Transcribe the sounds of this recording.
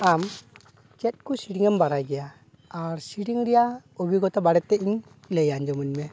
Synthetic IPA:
am | t͡ʃɛt̪̚kusiɽiŋɛmbaɾajɡɛjaː | ɾsiɽiŋɾijaobiɡɔt̪ɔbaɽɛt̪ːɛʔiɲ | lejaɲd͡ʒɔmənmɛ

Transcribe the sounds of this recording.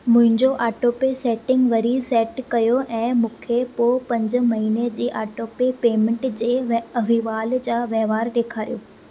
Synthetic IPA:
mʊ̃ɦɪ̃ɲd͡ʑoʔaːʈoːpesɛːʈɪ̃ŋɡʋɐɾisɛːʈkɐjoʔɛ̃ːmũːkʰepoːpɐ̃ɲd͡ʑmɐɦiːned͡ʑiːʔaːʈoːpepeːmɛ̃ɳʈd͡ʑeːɐʋiʋaːld͡ʑaːʋɛɦʋaːɾɗeːkʰaːɾijoː

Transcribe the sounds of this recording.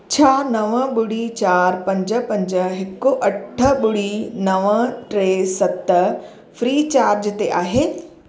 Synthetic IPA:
t͡ɕʰaːnɐʋəɓʊɽit͡ɕaːɾpɐ̃ɲd͡ʑə̆pɐ̃ɲd͡ʑəɦɪkoʔɐʈʰə̆ɓʊɽinɐʋəʈɾeːsɐt̪ə | fɾiːt͡ɕaːɾd͡ʑt̪eʔaːɦeː

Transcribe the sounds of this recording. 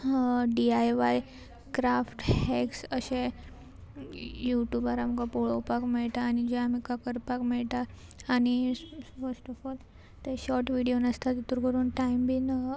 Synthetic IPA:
ɖiajʋaj | kɾafʈhɛksəɕẽ | juʈjubəɾamkapoɭowpakmiɭt̪aːñid͡ʑeamikakəɾpakmiɭt̪aː | ɽ̃ifəɾsʈɔfɔl | t̪eɕɔɾʈʋiɽionəst̪at̪it̪uːɾkəɾuːnʈaimbʱiːn

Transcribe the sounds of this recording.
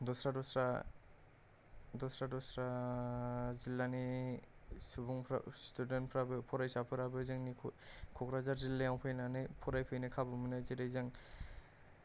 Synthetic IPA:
dɔsɾadɔsɾa | dɔsɾadɔsɾa | zilːani | subuŋpʰɾastʰudentpʰɾabɯpʰɔɾajsapʰɯɾabɯzɯŋnikʰɔkɾazaɾzilːajawpʰɯjnanɯjpʰɔɾajpʰɯjnɯkʰabɯmɯnɯziɾajzaŋ

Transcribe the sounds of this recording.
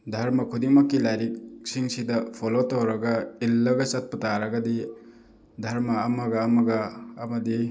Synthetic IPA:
dʱaɾmɐkʰudiŋmɐkːilajɾik̚siŋsidɐpʰolotowɾɐɡɐilːɐɡɐt͡ʃat̚pɐtaɾɐɡɐdi | dʱaɾmɐːmɐɡɐːmɐɡɐːmɐdi

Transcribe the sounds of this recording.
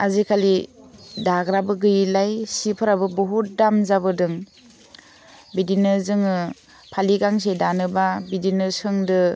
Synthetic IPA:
azikʰalidaɡɾabɯɡɯjlajsipʰɯɾabɯbɔɦut̚damzaβɯdɯŋ | bidinɯzɯŋɯ | pʰaliɡaŋsedanɯbabidinɯsɯŋdɯ

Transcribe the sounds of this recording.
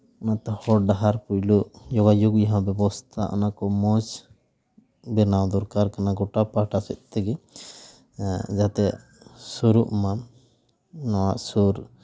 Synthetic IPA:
ɔnat̪ɛhɔɽɖaɦaɾpujlujɔɡad͡ʒuɡjaɦãbɛbɔst̪ʰaʔa̰nakɔmɔd͡ʒ | bɛɾnawd̪ɔɾkaɾkanaɡɔʈapaʈasɛ̰t̪̚ˀt̪ɛɡɛ | d͡ʒat̪ɛ | suɾuʔman | nɔwaʔsuɾ

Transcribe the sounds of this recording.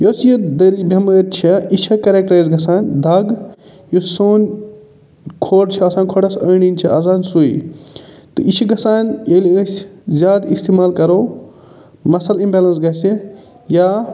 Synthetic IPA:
josijɐd̪ɐlibʱɐməːɾ̚t͡ʃʰiit͡ʃʰɐkeɾek̚ʈɾaːzɡɐsaːnd̪ʱɐɡ | josoːn | kʰoːɖt͡ʃʰiɐsãːnkʰoːɽɐsəːniːnt͡ʃʰiʔɐzaːnsuḭ | t̪ɨit͡ʃʰɐɡɐsaːnʲjeːliəszʲjaːd̪ist̪iːmaːlkɐɾoː | mɐsɐlĩmbeːlɐns̬ɡɐsi | jaː

